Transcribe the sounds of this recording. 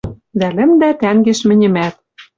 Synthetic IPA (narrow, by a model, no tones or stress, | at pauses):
d̪ælɘ̆md̪æt̪æŋɡeʃmɘ̆nʲɘ̆mæt̪̚